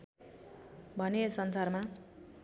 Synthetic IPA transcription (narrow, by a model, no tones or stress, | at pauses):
bʱʌnesʌnsarma